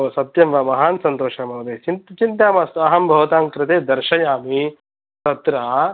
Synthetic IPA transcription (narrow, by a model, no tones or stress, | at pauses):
sɐt̪jɐmʋɐmɐɦaːnsɐnt̪oːʂɐmɐʋɐd̪eːt͡ʃint͡ʃint̪aːmast̪uɐɦɐmbʱɐʋɐt̪aːŋkɾɪt̪eːd̪ɐɾʃɐjaːmi | t̪ɐt̪ɾaː